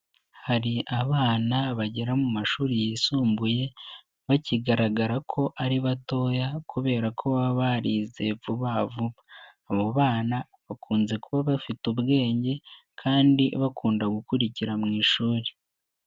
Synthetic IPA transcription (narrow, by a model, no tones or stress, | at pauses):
haɾiʔaβaːnaβaɟeɾamumaʃuːɾijisuːmbuje̞ | βaciɡaɾaɡaɾakʰo̞ʔaɾiβato̞ːjakuβe̞ːɾakʰo̞βaβaɾize̞vuβavuβaː | βoβaːna | βakʰuːnze̞kuβaβafitubɡe̞ːɲɟe̞ | kʰaːndiβakʰuːndaɡukuɾiciɾamŋiːʃuːɾe